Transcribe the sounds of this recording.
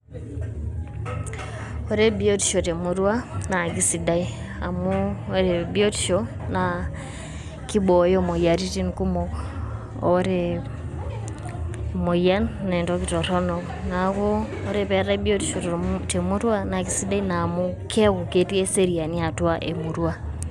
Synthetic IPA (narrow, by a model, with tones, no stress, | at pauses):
o˨ɾe˦bi˦o˦ti̥˨ʃo˨te˨mu˦ɾwa˦na˨ki˦si˨da˦i˦ | a˨mu˦ɾe˨bi˦o˦ti̥ʃo˦na˨ | ki˦bo˨jo˦mo˨ja˨ɾi˦ti˦nku˦moː˨˦ | ɾe | mo˨ja˦nne˨ndo˦ki˨to˨ɾo˦no˨ | na˨ko˦ | o˦ɾe˦pe˨ɾa˦bi˦o˦ti˨ʃo˨tte˨mu˦ɾwa˦na˨ki˦si˦da˦i˦na˨mu˦kʰe˦ku˨ke˦ti˦e˦se˦ɾi˨a˨ni˦a˨twa˦ʔe˨mu˨ɾwa˦